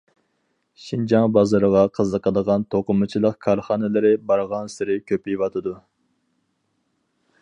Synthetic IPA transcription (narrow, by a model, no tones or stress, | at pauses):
ʃind͡ʒɑŋbɑzɑɾəʁɑqʰəzəqəd̪əʁɑnt̪ʰoqʊmɨt͡ʃʰilˠəqkʰɑɾχɑːnɪlɪɾɪbɑɾʁɑnsɪɾɪkʲʰøpijvɑt̪ʰɨd̪u